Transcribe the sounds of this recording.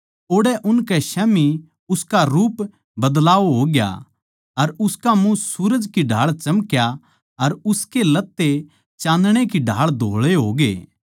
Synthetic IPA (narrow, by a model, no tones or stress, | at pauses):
oːɽɛʔʊnkɛʃɛːmi | ʊskaɾuːp | bɐd̪laːʋoɦoːɡja̰ | ɐɾʊskamũsuːɾəd͡ʒkiɖʱa̰ːɭt͡ʃɐmkja | ɐɾʊskelɐt̪ːe | t͡ʃãːnd̪ɽ̃ekiɖʱaːɭd̪ʱoːɭeɦo̰ːɡḛː